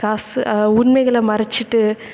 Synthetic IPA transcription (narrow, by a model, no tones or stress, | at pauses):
kaːsʊnmɐɪɣɐɭɐmɐɾɐt͡ʃːɪʈːɯ